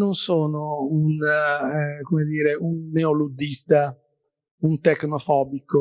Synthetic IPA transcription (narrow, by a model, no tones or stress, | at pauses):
nonsoːnoun | komed̪iːɾeʔunːeolud̪ːist̪a | unt̪eknofɔːbiko